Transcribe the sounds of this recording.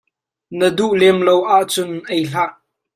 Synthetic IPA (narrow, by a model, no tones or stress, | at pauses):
nəduʔlɛmlowʔaʔt͡sʊnʔejɬaʔ